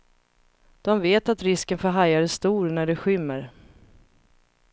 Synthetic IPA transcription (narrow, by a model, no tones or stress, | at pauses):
d̪̥ɔmveːt̪at̪ɾɪskənfɔɦajaɾəst̪uːɾnæɖɛɧʏmːəɾ